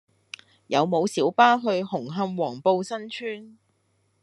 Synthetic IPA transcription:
jɐ˨˧wmo˨˧wsiː˨˥wpaː˥ɦɵ˧ɥhʊ˨˩ŋɦɐ˧mwɔː˨˩ŋpo˧wsɐ˥nt͡ʃʰyː˥n

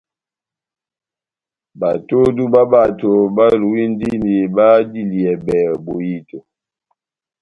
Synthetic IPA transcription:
ba˨to˦du˦ba˦ba˨to˨ba˦lu˨wi˦n˦di˦ni˨ba˦di˦˨li˨ɛ˨bɛ˨bo˨ji˦to˨

